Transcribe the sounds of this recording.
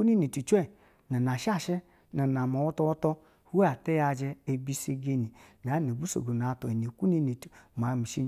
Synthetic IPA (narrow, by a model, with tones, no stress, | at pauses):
u˦ni˦ni˨tu˨t͡ʃʷɛ˦˨ | na˨na˨ʃa˦˨ʃɛ˦ | na˨n˨a˨ma˨wɔ˦tɔ˧wɔ˦tɔ˧ | hu˦a˨tɛ˦ja˧d͡ʒɛ˧e˧bi˧se˧ɡe˧ni˨n˨a˨˦ni˨bu˦so̰˨ɡo˨n˨a˨to˨e˨ni˨ku˦ni˦ni˨tma˨˦mi˨ʃi˦